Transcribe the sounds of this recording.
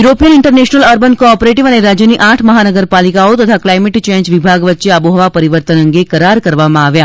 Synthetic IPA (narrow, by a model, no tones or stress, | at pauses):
juɾopijənɪɳʈəɾneʃnələɾbənkopɾeʈiʋəneɾad͡ʒjəniʔaʈʰməɦanəɡəɾpalikaot̪ət̪ʰaklajmeʈt͡ʃẽɲd͡ʒʋibʱaɡʋət̪ːʃeabuɦəʋapəɾiʋəɾt̪ənəŋɡekəɾaɾkəɾʋamãaʋja